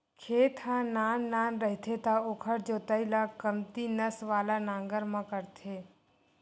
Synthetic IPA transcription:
kʰeːt̪ʰãnaːnːaːnɾəɦt̪ʰet̪aoːkʰəɾd͡ʒoːt̪əilakəmt̪inəsʋaːlanãːŋɡəɾmãkəɾt̪ʰeː

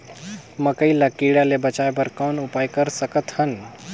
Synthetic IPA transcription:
məkəɪlakiɽalebət͡ʃaebəɾkɔnupajkəɾsəkət̪hən

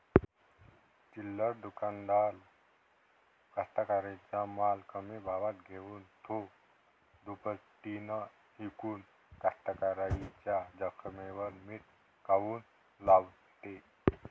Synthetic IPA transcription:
t͡ʃilːəɾd̪ukand̪aːl | kast̪akaɾait͡ʃamalkəmebʱaʋat̪ɡʱewunt̪ʰo | d̪upəsʈ̪ina | hikun | kast̪akaɾait͡ʃad͡ʒəkʰəmeʋəlmit̪ | kawun | lab | t̪e

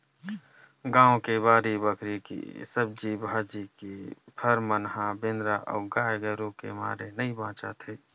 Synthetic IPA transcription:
ɡãːõkebaːɾibəkʰɾikḭsəb̚d͡ʒibʱaːd͡ʒikipʰəɾmənɦãbẽːnd̪ɾaʔɔ̰ːɡaːjɡəɾõkḛma̰ːɾenəibãːt͡ʃa̰t̪ʰeː

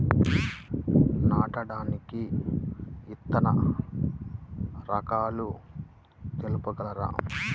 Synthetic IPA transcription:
naːʈɐɽaːniki | it̪ːɐnɐ | ɾɐkaːlu | t̪elupuɡɐlɐɾa̰ː

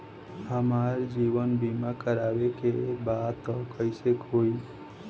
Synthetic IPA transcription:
ɦəmaɾd͡ʒiʋənbimakəɾabekebad̪t̪ɔkəɪsekɦoi

